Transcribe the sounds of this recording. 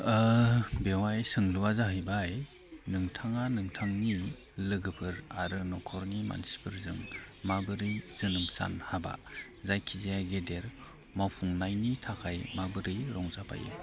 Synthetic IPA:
bewajsɯŋluwazaɦɯjbaj | nɯŋtʰaŋanɯŋtʰaŋni | lɯɡɯpʰɯɾaɾɯnɔkʰɔɾnima̰nsi̥pʰɯɾzɯŋmabɯɾɯjzɯnɯmsa̰nhaba̰ | zajkʰizijajɡedeɾ | mapʰuŋnajnitʰakʰajmabɯɾɯjɾɔŋzapʰa̰jɯ̰

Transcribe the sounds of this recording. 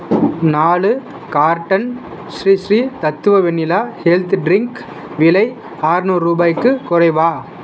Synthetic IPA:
naːlɯ | kaːɾʈːɐn | ʃɾiʃɾiːt̪ɐt̪ːɯʋɐʋɛnːɪlaːhɛlt̪ɖɾɪŋk | ʋɪlɐɪ | aːɾnuːɾɾuːbaːjkːɯkʊrɐɪʋaː

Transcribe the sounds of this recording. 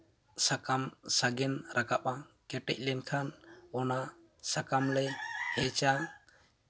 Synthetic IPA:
sakamsaɡɛnɾʔakapakɛʈɛ̰c̚ˀlɛnkʰanɔna | sakamlɛhɛt͡ʃa

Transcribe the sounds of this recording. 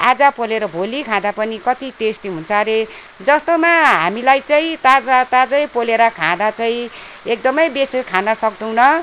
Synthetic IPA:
ad͡zʌpoleɾʌbʱolikʰãd̪apʌnikʌt̪iʈesʈiɦunt͡sʰʌɾe | d͡zʌst̪omaɦa̰milajt͡saĩt̪ad͡zat̪ad͡zʌjpoleɾʌkʰãd̪at͡saĩ | ek̚d̪ʌmʌjbesekʰãnʌsʌk̚d̪uwnʌ

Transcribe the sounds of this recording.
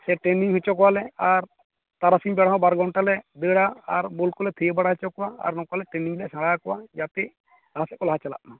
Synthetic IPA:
sɛʈeniŋɦɛt͡ʃɔkɔwalɛaɾ | t̪aɾasiɲbɛɽ̤aɦɔ̃baɾɡãɳʈalɛd̪əɽaaɾbɔlkɔlɛt̪ʰəjebaɽaɦɛt͡ʃɔkɔwaa̰ɾnɔkalɛʈeniŋlɛsãɽakɔwad͡ʒap̪ɛ | d̪aasɛkɔlaɦat͡ʃala̰ʔna

